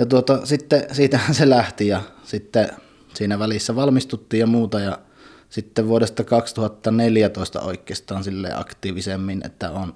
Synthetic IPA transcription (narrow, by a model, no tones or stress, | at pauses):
jɑt̪uot̪ɑsit̪ːesiːt̪æhænselæht̪ijɑ | sit̪ːe | siːnæʋælisːæʋɑlmist̪ut̪ːiːjjɑmuːt̪ɑjɑ | sit̪ːeʋʋuoɾest̪ɑkɑkst̪uhɑt̪ːɑneljæt̪oˑest̪ɑ̰o̰ˑikːˑeˑːst̪ˑɑːnsilːḛːˑʔɑ̰kt̪ˑiːʋisemːinʔḛt̪ːæ̰on